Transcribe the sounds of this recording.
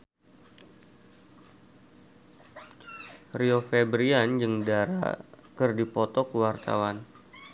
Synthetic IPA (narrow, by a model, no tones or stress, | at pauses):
riofɛbɾiand͡ʒɨŋdaɾa̰kɨrdipɔt̪ɔkəwart̪a̰wan